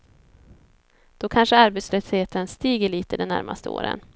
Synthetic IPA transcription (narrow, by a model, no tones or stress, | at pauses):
d̪̥ɔkʰanʂəaɾbet̪slœsheːt̪ənst̪iːɡəɭiːt̪əd̪ɛnæ̰ɾmʔa̰st̪ʰəo̰ːɾə̰n